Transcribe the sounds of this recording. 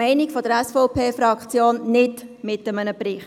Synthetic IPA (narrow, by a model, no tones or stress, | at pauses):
ɛɪnɪkfod̥əɾɛsfɔʊpʰeːfɾɑkχt͡sjoːnnɪdmɪtəmənəbriːχ